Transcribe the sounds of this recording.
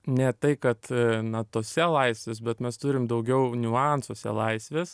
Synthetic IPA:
nʲɛt̪ɐɪkɐt̪nɐt̪oːsʲɛlˠɐɪsʲʋʲeːs̬bʲɛt̪mʲɛst̪ʊɾʲɪmd̪ɐʊɡʲɛʊnʲʊɑnsoːsʲɛ̰lˠɐɪsʲʋʲeːs

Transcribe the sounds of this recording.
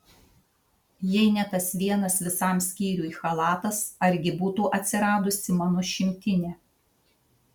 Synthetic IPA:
jɛɪnʲɛt̪ɐsʋʲiɛnɐsʋʲɪsɑˑmsʲkʲiːɾʲuːiːxɐlˠɑːt̪ɐsɐɾʲɡʲɪbuːt̪uːʔɐt̪ʲsʲɪɾɑːd̪ʊsʲɪmɑnoʃʲɪmʲt̪ʲɪnʲeː

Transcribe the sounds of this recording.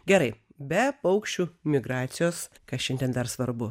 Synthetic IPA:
ɡʲɛɾɐɪbʲɛpɐʊkʃʲt͡ʃʲuːmʲɪɡɾɑːt̪sʲɪjoːs | kɐʃʲɛnʲd̪ʲɛnd̪ɐɾsʋɐɾbʊ

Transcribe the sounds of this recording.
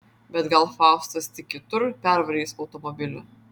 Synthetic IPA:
bʲɛt̪ɡɐlˠfɑˑʊst̪ɐst̪ʲɪkʲkʲɪt̪ʊɾpʲɛɾʋɐɾʲiːsɒʊt̪ɔmɔbʲɪlʲʊ

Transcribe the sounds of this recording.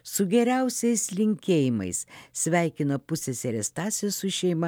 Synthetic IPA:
sʊɡʲɛɾʲæʊsʲɛɪslʲɪŋʲkʲeːjɪmɐ̰ɪssʲʋʲæˑɪkʲɪnɐpʊsʲesʲɛɾʲɛst̪ɑːt̪sʲɪjossʊʃʲɛɪmɐ

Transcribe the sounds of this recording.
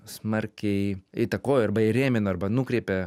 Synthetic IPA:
smɐɾʲkʲɛɪɪt̪ɐkoːjoɐɾbɐɪɾʲeːmʲɪnoɐrbɐnuːkɾʲeɪpʲɛ

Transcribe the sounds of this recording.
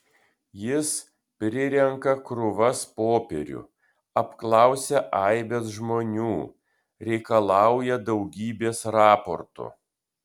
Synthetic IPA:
jɪs | pʲɾʲɪɾʲɛŋkɐkɾʊʋɐspoːpʲɛ̰ɾʲʊ̰ | ɐpklˠɑˑʊsʲɛʔɐˑɪbʲɛsʒmoːnʲuː | ɾʲɛɪkɐlˠɑˑʊjɛd̪ɒʊɡʲiːbʲeːsɾɑːpɔ̰ɾt̪ʊ̰

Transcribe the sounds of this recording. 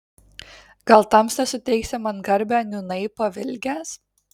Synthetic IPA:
ɡɐlˠt̪ɐmsnʲɛsʊt̪ʲɛɪksʲɪmɐnɡɐɾʲbʲæːnʲʊnɐɪpɐʋʲɪlʲɡʲæːs

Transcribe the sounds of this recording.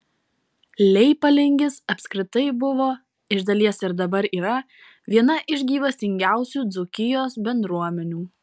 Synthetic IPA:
lʲɛɪpɐlʲɪŋʲɡʲɪsɐpʲsʲkɾʲɪt̪ɐɪbʊʋoː | ɪʒd̪ɐlʲiɛsɪɾd̪ɐbɐɾiːɾɐ | ʋʲiɛnɐʔɪʒʲɡʲiːʋɐsʲɪŋʲɡʲæˑʊsʲuːd̪zʊkʲɪjoːsbʲɛnd̪ɾuɔmʲɛnʲuː

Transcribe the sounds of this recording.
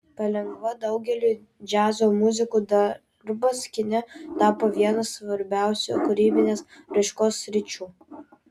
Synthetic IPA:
pɐlʲɛŋɡʋɐd̪ɒʊɡʲɛlʲuː | d͡ʒʲæːzoːmʊzʲɪkuːd̪ɐ | ɾbɐsʲkʲɪnʲɛt̪ɑːpoːʋʲiɛnɐsːʋɐɾʲbʲæˑʊsʲo̰kʊɾʲiːbʲɪnʲeːsɾɐɪʃkoːsːʲɾʲɪt͡ʃʲuː

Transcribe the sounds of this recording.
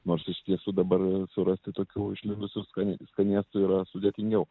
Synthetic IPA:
noːrsɪʃt̪ʲiɛsuːd̪ɐbɐrsʊɾɐsʲt̪ʲɪt̪oːkʲuːɪʃʲlʲɪnd̪ʊsʲʊskɐnʲskɐnʲiɛst̪ʊiːɾɐsʊd̪ʲɛt̪ʲɪŋʲɡʲɛʊ

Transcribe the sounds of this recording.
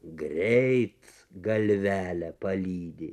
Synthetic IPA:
ɡɾʲɛɪt̪ | ɡɐlʲʋʲæːlʲɛpɐlʲiːd̪ʲɪ

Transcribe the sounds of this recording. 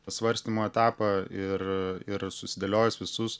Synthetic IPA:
sʋɐɾʲsʲt̪ʲiːmoːɛt̪ɑːpɐɪɾɪɾsʊsʲɪd̪ɐlʲoːjɛsʋʲɪsʊs

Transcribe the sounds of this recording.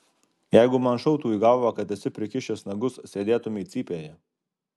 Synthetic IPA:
jæɪɡʊmɐnʃɔʊt̪uːiɡɑːʋɐkɐt̪ɛsʲɪpʲɾʲɪkʲɪʃʲɛsnɐɡʊssʲeːd̪ʲeːt̪ʊmʲɪiːt̪sʲiːpʲeːjɛ

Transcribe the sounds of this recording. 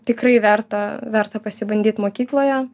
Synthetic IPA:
t̪ʲɪkrɐɪʋʲært̪ɐʋʲæɾt̪ɐpɐsʲɪbɐnʲd̪ʲiːt̪moːkʲiːklˠoːjɛ

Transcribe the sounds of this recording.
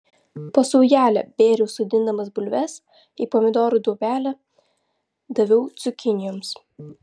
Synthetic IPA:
pɐsɔʊjæːlʲɛ̰bʲeːɾʲɛʊsʊd̪ʲɪnd̪ɐmɐsbʊlʲʋʲɛs | iːpɔːmʲɪd̪ɔːɾud̪uɔbʲæːlʲɛ | d̪ɐʋʲɛʊt̪sʲʊkʲɪnʲɪjɔːms

